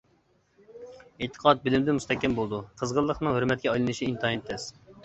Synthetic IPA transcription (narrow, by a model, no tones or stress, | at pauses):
et̪ʰə̥qʰɑt̪̚bɪlɪmd̪ɪmust̪ʰɛkʲːɛmbolˠd̪uqʰəzʁəlˠːəχnɨŋhøɾmɛt̪̚kʲɛɑjlˠɨnɨʃiint̪ʰɑint̪ʰːɛs